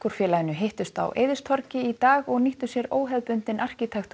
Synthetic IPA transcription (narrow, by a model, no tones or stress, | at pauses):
kɔɾ̥fjɛːlajɪnʏɦejht̪ʏst̪a̰wʔḛːjðɪst̪ʰɔɾcɪit̪aːɣɔɣniht̪ʏsjɛɾoːwɦɛðpʏnt̪ɪnʔar̥cɪt̪ʰaxt̪